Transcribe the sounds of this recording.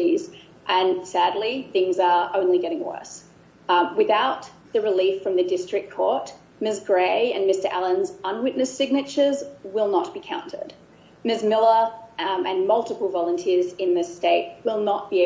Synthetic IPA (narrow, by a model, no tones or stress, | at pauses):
iz | ʔɨ̃nsædˡliθɪ̃ŋzə˞õʊ̃nliɡɛɾɪ̃ŋwɜ̰˞s | wɨθaʊt̪̚ | ðɨɹɨlifɹʌ̃mðɨdɪstɹ̥ɨk̚kʰːɔɹt̚ | mɪs̬ɡ̥ɹeɪɨ̃nmɪstə˞ʔælˠə̃nzə̃nwɪtⁿnɨsɪɡ̚nɨt͡ʃə˞zwɪlˠnət̚b̥ikʰãʊ̃ntʰə̰˞d̥ | mɪsmɪlˠəɨ̃nmʌlˠtəpl̩ˠvɑlˠə̃ntʰɪəzɨ̃nðɨsteɪt̚wɪlˠnət̚b̥i